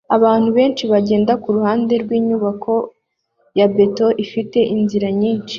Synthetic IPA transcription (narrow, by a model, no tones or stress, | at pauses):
aβaːn̥huβe̞ːnt͡ʃiβaɟe̞ːndakuɾuhaːnde̞ɾɡwiːɲuβakʰo̞ | jabe̞to̞ʔifite̞ʔinziɾaɲiːnʃi̥